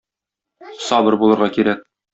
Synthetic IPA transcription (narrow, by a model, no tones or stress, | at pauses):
sɑbɤ̆ɾbulˠɤ̆ɾʁɑkiɾæk̚